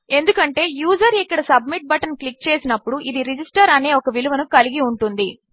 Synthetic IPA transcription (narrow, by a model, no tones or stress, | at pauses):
e̞nd̪ukɐɳʈe̞ːjuːd͡ʒɐɾikːɐɽɐsɐbmiʈ̚bɐʈɐnklik̚t͡ʃeːsinɐpːuɽuʔid̪iɾid͡ʒisʈɐɾɐne̞ːɔkɐʋiluʋɐnukɐliɡiuɳʈund̪i